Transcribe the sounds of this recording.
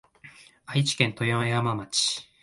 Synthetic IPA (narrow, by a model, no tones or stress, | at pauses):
ait͡ɕi̥kẽ̞nt̪o̞jãeamamat͡ɕi̥